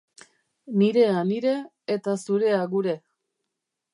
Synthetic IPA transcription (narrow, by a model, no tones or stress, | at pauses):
niɾe̞aniɾe̞ː | t̪asuɾe̞aɣuɾe̞